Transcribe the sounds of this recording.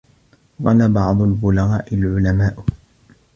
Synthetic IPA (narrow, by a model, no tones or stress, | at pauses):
ɣɑnabɑʕd̪ˤʊlbʊlaɣaːʔɪlʕʊlamaːʔ